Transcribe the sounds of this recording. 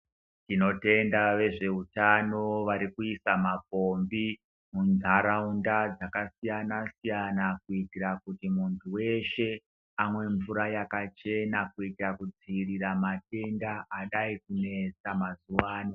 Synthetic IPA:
tino̞te̞ndaʋe̞ʐe̞utano̞ʋaɾikuisamapo̞mbi | munzʱaɾaundad͡zakasijanasijanakuitirakutimuntʰuwe̞ʃe̞ | amwe̞ɱvuɾajakat͡ʃe̞nakuitirakud͡ziriramate̞ndaːɗaikune̞t͡samazuwaːno

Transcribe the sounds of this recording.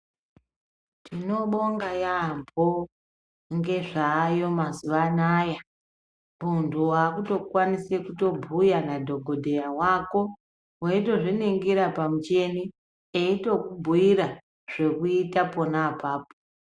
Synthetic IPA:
tino̞ɓo̞ŋɡajambo | ŋɡe̞ʐaːjo̞mazuʋanaːja | muntʰuwakuto̞kwanisekuto̞bʱujanadʱo̞ɡʱo̞dʱe̞jawako̞ | weito̞ʐiniŋɡiɾapamut͡ʃe̞ni | eito̞kubʱuiɾa | ʐ̥e̞kuitapo̞naːpaːpo

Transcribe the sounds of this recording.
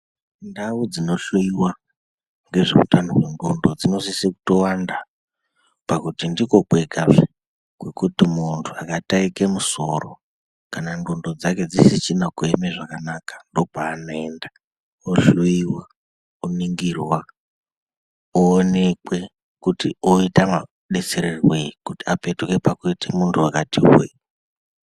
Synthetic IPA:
ndaud͡zino̞ɬuiwa | ŋɡe̞ʐḛkutanoʐendondo̞d͡zino̞sisiku̥to̞wanda | pakutindiko̞k͡pwe̞ɡʱave | kwe̞kutimuntʰuakataikemuso̞ro̰ | kanandondo̞d͡zake̞d͡zisit͡ʃinakuemeʐakanakḁndo̞paːnoe̞nda | oʃuiwa | uniŋɡirwa | oːne̞kwe̞ | kutioitama | ɗe̞t͡se̞ɾerwekutiape̞tkepakuitemuntʰuakatiwe

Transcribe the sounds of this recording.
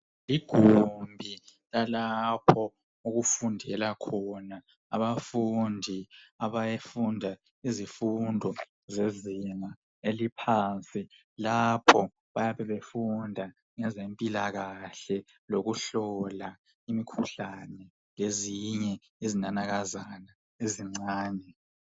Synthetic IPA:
liɡ̥ʱumbʱilalapʰɔ | uɣufundʱɛlakʰɔna | a̰βafundʱiaβajefundʱa | izifundʱɔ | zeziŋa | elipʰant͡sʼi | lapʰɔ | βajaβɛβefundʱa | ŋɛzempʼilaɣaɬɛ | loɣuɬɔla | imikʰuɬanɛ | leziɲɛ | izinanaɣazana | eziŋ͡ǀaːnʱɛ

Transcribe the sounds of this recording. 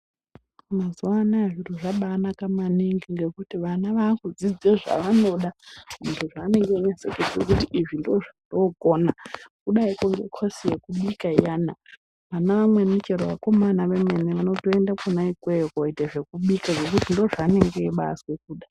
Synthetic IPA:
mazuwanaʐiruʐaɓaːnakamaniŋɡiŋɡe̞kutiʋanaʋaːkud͡zid͡zeʐa̰ʋano̞ɗaʐuntʰuʐaːne̞ŋɡeiɲaseked͡zḛkutiʔiʐindoʐandoɡʱoːnakuɗaikoŋɡekʰosijekuɓikaijana | ʋanaʋamwe̞nut͡ʃeɾoʋako̞manaʋemeneʋano̞toendakonaikwejokoiteʐe̞kuɓikaʐo̞kutindo̞ʐaːne̞ŋɡeːɓa̰swe̞k̚uːɗa

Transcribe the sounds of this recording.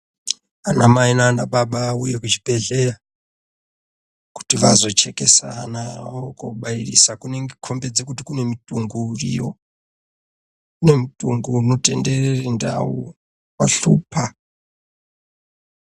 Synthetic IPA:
anamainanaɓaɓauje̞kut͡ʃibʱe̞ɮe̞ra | ku̥tiʋazo̞t͡ʃe̞ke̞sanaokoɓairḭsakune̞ŋɡekʰo̞mbe̞d͡zekutikune̞mituŋɡuːrijo | une̞mitʼuŋɡuːno̞te̞nde̞rerenda̰ṵ | waɬuːpʰa

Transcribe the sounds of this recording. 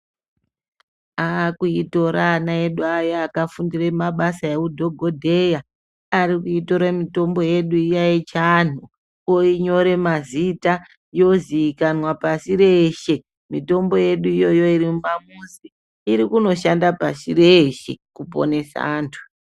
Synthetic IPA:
akuito̞ɾanaeɗuajaːkafundiremaɓasaekudʱo̞ɡʱo̞dʱe̞ja | aɾikuito̞ɾamito̞mbo̞je̞ɗuijajet͡ʃan̤u | oiɲo̞ɾe̞mazita | jo̞ziːkanwapasiɾe̞ʃe̞ | mito̞mbo̞je̞ɗuijo̞jo̞irimumamusiː | ɾikuno̞ʃandapasḭreʃe̞̰kupo̞̰ne̞sa̰ːntʰu̥

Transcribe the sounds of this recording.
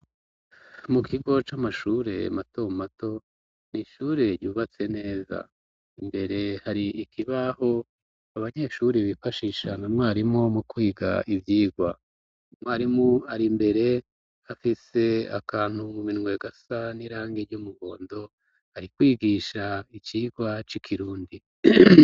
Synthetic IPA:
mukʰiɡo̞t͡ʃamaʃuɾe̞̰mato̞mato̞ | niʃuːɾe̞ɾɟuːβat͡se̞ne̞ːza̰ | imbe̞ɾe̞haɾiʔikʰiβaho̞ | aβaɲe̞ːʃuɾiβifaʃiʃananwaːɾimo̞mukwiːɡa̰ʔivjiːɡwa | mwaːɾimuaɾimbe̞ɾe̞ | afise̞a̰kaːn̥humuminŋwe̞ɡasaniɾaːŋɡiɾɟumuɡo̞ːndo̞ | haɾikwiːɡiʃait͡ʃiːɡwat͡ʃikʰiɾuːndi

